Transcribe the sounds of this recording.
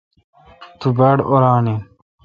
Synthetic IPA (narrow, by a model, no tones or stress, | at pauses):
t̪ʰubɐɽoɾaːni